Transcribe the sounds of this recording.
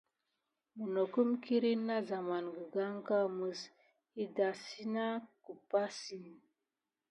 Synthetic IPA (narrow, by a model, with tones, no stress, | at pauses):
mu˨no˨ku˦mki˦ɾi˦nːa˦za˨ma˨nɡə˨ɡa˦ŋ˦ka˦˨mə˨s | i˦da˨si˦na˦ku˨pa˦si˨